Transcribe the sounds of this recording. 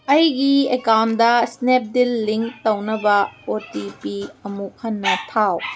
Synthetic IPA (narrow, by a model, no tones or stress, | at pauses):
ʔɐjɡiekamdɐsnɛp̚dilːiŋt̪ɐwnɐbɐotipiɐmuk̚hɐnːɐt̪ʰaw